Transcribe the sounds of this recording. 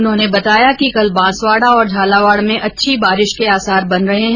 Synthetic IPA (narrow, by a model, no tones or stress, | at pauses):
ʊnɦõːnebɐt̪aːjakikɐlbãːsʋaːɽaɔːɾd͡ʒʱaːlaʋaːɽmẽʔɐtːʃʰibaːɾɪʃkeaːsaːɾbɐnɾɐɦeɦɛ̃